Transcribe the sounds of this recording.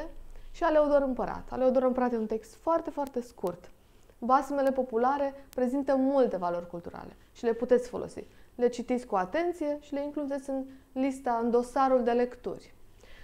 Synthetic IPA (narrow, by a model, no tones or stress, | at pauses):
eʃialeod̪oɾɨmpəɾa̰t̪a̰leod̪oɾɨmpəɾat̪eunt̪e̞kst̪foart̪e̞foart̪e̞skurt̪ | basme̞le̞po̞pulaɾe̞pɾe̞zint̪əmult̪e̞valo̞rʲkult̪uɾa̰le̞̰ | ʃile̞put̪et̪sʲfo̞lʔo̞̰sḭle̞t͡ʃit̪it̪sʲkuat̪e̞nt̪sije̞ʃile̞iŋklud̪et̪sʲɨnlist̪aɨnd̪o̞saɾuld̪e̞le̞kt̪ṵrʲ